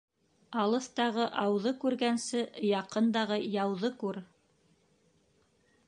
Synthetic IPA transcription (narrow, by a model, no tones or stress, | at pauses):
ɑlˠɤ̆θt̪ɑʁɤʔɑwðɤkʉɾɡænsɘjɑqɤ̆nd̪ɑʁɤjɑwðɤkʉɾ